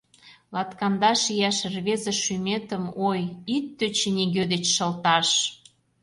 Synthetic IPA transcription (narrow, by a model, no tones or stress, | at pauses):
lɑt̪kɑnd̪ɑʃijæʃrβezə̆ʃymet̪ə̆mojit̪ːøt͡ɕenʲiɣød̪et͡ɕʃə̆lt̪ɑʃ